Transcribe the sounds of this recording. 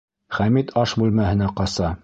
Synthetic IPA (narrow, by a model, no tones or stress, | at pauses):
χæmit̪ʰɑʃbʉlmæhɘ̆næqɑsɑ